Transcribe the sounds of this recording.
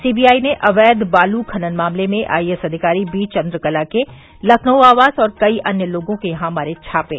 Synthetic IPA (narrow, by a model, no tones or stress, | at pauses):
siːbiːaːineʔʔɐʋɛːd̪baːlukʰɐnənmaːmlemẽʔa̰ːiɛsɐd̪ʱɪkaːɾibiːt͡ʃɐ̃nd̪ɾəkɐlake | lɐkʰnəaːʋaːzɔːɾkɐiʔɐnjəloːɡõkejɐɦãmaːɾet͡ʃʰaːpḛː